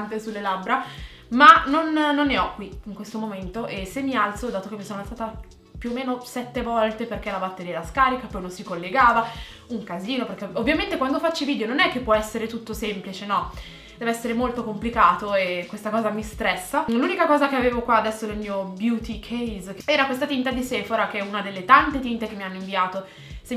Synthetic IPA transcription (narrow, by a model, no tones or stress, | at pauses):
nt̪esulːelabɾa | manonːonːeɔkːwiiŋkwest̪omoment̪oʔesemːialt̪sod̪aːt̪okemːvisoːnoalt̪saːt̪a | pjuomeːnosɛt̪ːevɔlt̪eperk̟elabat̪ːeɾiɛɾaskaːɾikapɔjnonsikolːeɡaːva | uŋkaziːnoperkeovːjament̪ekwand̪ofat͡ʃːiviːd̪eononɛk̟ːepːwɔɛsːeɾet̪ut̪ːosemplit͡ʃenɔ | d̪̥ɛːvoɛsːeɾemolt̪okomplikaːt̪oekːwest̪akɔːzamist̪ɾɛsːalunikakɔːzakeaveːvokwaːd̪ɛsːonelmiːobjut̪ikʰejzkɛːɾakwest̪at̪int̪ad̪iseːfoɾakeɛunad̪elːet̪ant̪et̪int̪ek̟emːianːoiɱviaːt̪o | se